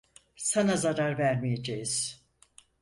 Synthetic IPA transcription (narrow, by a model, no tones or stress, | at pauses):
sanazaɾaɾvæɾmijed͡ʒejiz̥